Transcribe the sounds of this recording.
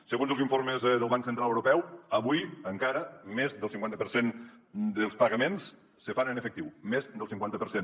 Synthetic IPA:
səɣonzəlˠziɱforməzðəlˠβaŋksənt̪ɾaləwɾupɛwəβujəŋkaɾəmezðəlˠsiŋkwant̪əpəɾsend̪əlˠspəɣəmens | səfanənəfəkt̪iwmezd̪əlˠsiŋkwant̪əpəɾsen

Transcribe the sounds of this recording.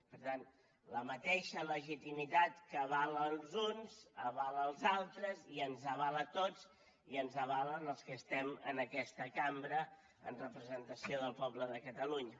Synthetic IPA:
pəɾt̪an | ləmət̪eʃələʒit̪imit̪at̪kəːβaləlˠzunzəβaləlˠzalˠt̪ɾəziənzəβalət̪od͡z | iənzəβalənəlˠskəst̪ɛmə̰nəkɛst̪əkambɾə | ə̰nrəpɾəzənt̪əsioðəlˠpɔbləðəkət̪əluɲə

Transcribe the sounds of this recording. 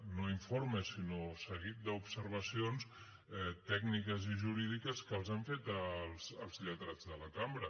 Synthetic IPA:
noiɱfoɾməsinosəɣit̪̚d̪əupsəɾβ̞əsions | ɛt̪ɛɡnikəziʒuɾið̞ikəskəlˠzaɱfet̪əlˠzəlˠzʎət̪ɾad͡zðələkambɾə

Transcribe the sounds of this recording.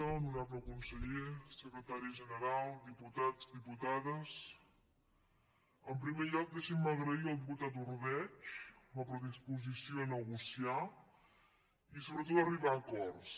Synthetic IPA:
onuɾapləkunsəʎesəkɾət̪aɾiəʒənəɾalˠd̪iput̪ad͡zd̪iput̪aðəs | əmpɾimeʎɔk̚d̪eʃimməɣɾəiəlˠd̪but̪at̪uɾβɛt͡ʃməpɾəðispuzisioənəɣusia | isoβɾət̪̬ot̪əriβaːkɔrs

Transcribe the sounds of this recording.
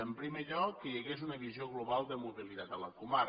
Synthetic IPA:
əmpɾimeʎɔkːəʎəɣezunəβizioɣluβalˠd̪əmuβəlit̪at̪ələkuma

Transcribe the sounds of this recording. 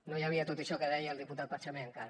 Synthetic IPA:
nojəβ̞iət̪ot̪iʃɔkəðɛjəːlˠd̪iput̪at̪̚pat͡ʃəmeŋkaɾ

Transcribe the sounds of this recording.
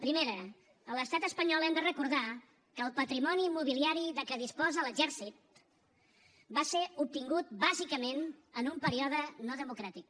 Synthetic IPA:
pɾimeɾəː | ləst̪at̪əspəɲɔlˠɛmd̪ərəkuɾð̞a | kəːlˠpət̪ɾimɔnimuβ̞iliaɾiðəkəðispɔzələʒɛɾsit̪̚ | baseup̚t̪iŋɡut̪̚bazikəmenənumpəɾiɔðənɔðəmukɾat̪ik̚

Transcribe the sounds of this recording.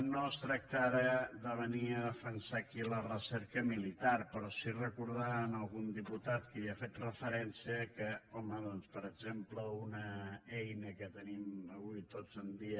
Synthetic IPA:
nost̪ɾək̚t̪aɾəðəβəniəðəfənsakilərəsɛɾkəmilit̪aɾpəɾɔsirəkuɾð̞aənəlˠɣund̪iput̪at̪kəiəfet̪rəfəɾɛnsiəkəɔməðɔnspəɾəɡzempləunəɛjnəkət̪əniməβuit̪od͡zənd̪iə

